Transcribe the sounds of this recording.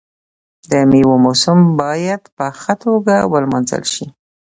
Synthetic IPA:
d̪əmiwomosʊmbɑjad̪pəxət̪ʰoɡawəlmɑnzə̰lʃi

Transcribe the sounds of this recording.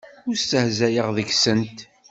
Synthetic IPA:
ʊɾst̪əhzæjəʁðəçsənt̪

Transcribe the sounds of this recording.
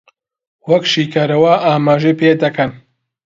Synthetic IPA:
wɐkʃiːkʰaːɾɐwɐʔaːmaːʒejpeːd̪ɐkɐn

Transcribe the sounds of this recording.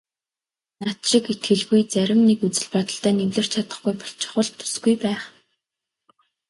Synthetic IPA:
nat̪ʃɪ̆ket̪ɡɘ̆ɮɣujt͡sæɾʲɪ̆mnekut͡sɘ̆ɮpɔt̪ə̆ɬt̪æːnewɮɘ̆r̥t͡ɕʰat̪ə̥̆χɡujpɔ̥ɬt͡ɕɪ̥̆χʊ̆ɮt̪ʰːɵ̥sɡujpæːχ

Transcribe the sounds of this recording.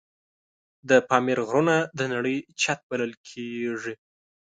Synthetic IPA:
d̪əpɑmeɾɣɾunad̪ənaɽəjt͡ʃat̪̚baləlkʰeʐi

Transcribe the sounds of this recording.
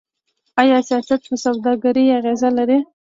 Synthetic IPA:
ajɑsijɑsat̪pəsawd̪ɑɡaɾiaɣezalaɾi

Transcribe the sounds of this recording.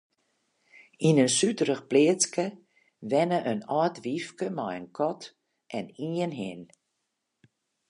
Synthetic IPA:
inənsytəɾəxplɪət͡skə | ʋɛnəʔənɔːtʋifkəmɔjənkʰɔt | ʔɛniənɦɪn

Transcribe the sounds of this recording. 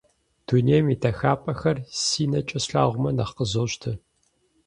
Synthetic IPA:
d̥unejmitʰɐxaːpʼɐxɐrsiːnɐt͡ʃʼɐsɬaːʁʷʊmɐnɐχqəzoːʃtʰɨ

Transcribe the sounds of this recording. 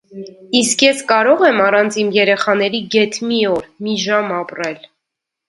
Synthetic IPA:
iskjɛskɑɾɔʁɛmɑrɑnt͡sʰimjɛɾɛχɑn̪ɛɾiɡɛt̪ʰmiɔɾmiʒɑmɑprɛl

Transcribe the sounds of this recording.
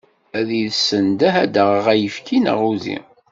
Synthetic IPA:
æðiðsənd̪æɦæd̪əʁəʁæjəfkʰinə̰ʁuðḭ

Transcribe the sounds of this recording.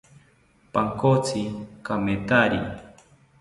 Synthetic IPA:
paŋkot͡sikamet̪aɾḭ

